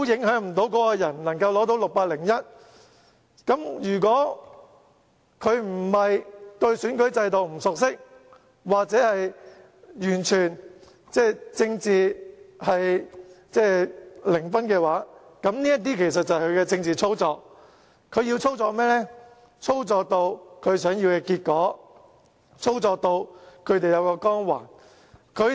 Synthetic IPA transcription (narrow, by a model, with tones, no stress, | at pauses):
o˨˦˥jɪ˨˥ŋhœː˨˥ŋm̩˨˩t̪o˨˥wkɔː˨˥kɔ˧jɐ˨˩nnɐ˨˩ŋkɐ˧wlɔː˨˥t̪o˨˥wlʊ˨k̚paː˧t̚lɪ˨˩ŋjɐ˥t̚ | kɐ˨˥mjyː˨˩kwɔː˨˥ | kʰɵ˨˧ɥm̩˨˩hɐ˨jt̪ɵ˧ɥsyː˨˥nkɵ˨˥ɥt͡sɐ˧jt̪o˨wm̩˨˩sʊ˨k̚sɪ˥k̚ | waː˨k̚t͡sɛː˨˥hɐ˨j | jyː˨˩nt͡ʃʰyː˨˩n | t͡sɛː˥˩t͡sɪ˧ŋt͡siː˨hɐ˨jt͡sɛː˥˩lɪ˨˩ŋfɐ˥nkɛː˧waː˨˥kɐ˨˥mniː˥jɐ˥t̪̬iː˥kʰe˨˩js̬ɐ˨t̚t͡sɐ˨kɵ˨˧ɥkɛː˧t͡sɪ˧ŋt͡siː˨t͡sʰo˥wt͡sɔː˨˧k̚ | kʰɵ˨˧ɥji˧wt͡sʰo˥wt͡sɔː˧k̚mɛː˥lɛː˥ | t͡sʰo˥wt͡sɔː˨˧k̚t̪o˧wkʰɵ˨˧ɥsœː˨˥ŋjiː˧wkɛː˧kiː˧t̚kɔː˨˥ | t͡sʰo˥wt͡sɔː˧k̚t̪o˧wkʰɵ˨˧ɥt̪e˨jɐ˨˧wkɔː˧kɔː˥ŋwa̰ː˨˩n | kʰɵ˨˧